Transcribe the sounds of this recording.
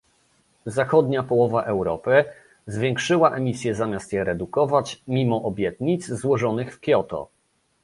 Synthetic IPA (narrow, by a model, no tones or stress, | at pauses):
zaxɔd̪ɲapɔwɔvaʔɛwɾɔpɘ | zvʲjɛŋkʂɘwaʔɛmʲisʲjɛzamʲjast̪jɛɾɛd̪ukɔvat͡ɕmʲimɔʔɔbʲjɛt̪ɲit̪zzwɔʐɔnɘxfkʲjɔt̪ɔ̰